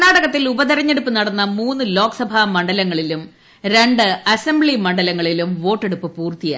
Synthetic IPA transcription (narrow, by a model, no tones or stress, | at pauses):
naːɽɐɣɐt̪ːilubɐðɐɾɐɲːe̞ɽupːɨnɐɽɐnːɐmuːnːɨlo̞ːksɐbʱamɐɳɖɐlɐŋːɐɭilum | ɾe̞ɳɖɨɐsembɭimɐɳɖɐlɐŋːɐɭilumʋo̞ːʈːe̞ɽupːɨpuːrt̪ija̰ː